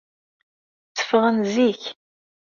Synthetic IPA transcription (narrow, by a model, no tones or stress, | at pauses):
t͡sːə̥fəʁənziç